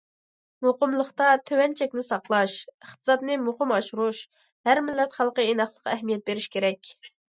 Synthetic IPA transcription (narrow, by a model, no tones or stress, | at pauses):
moqəmlˠəχt̪ɑt̪ʰøwɛnt͡ʃʰɛkʲnɪsɑqlˠɑʃəχt̪ɨ̥zɑt̪nɨmuχəmɑʃuɾuʃ | hæɾmɪlːɛt̪χælˠqəenɑχlˠəqːɑæɦmijɛt̪̚beɾɪʃkʲeɾɛkʲ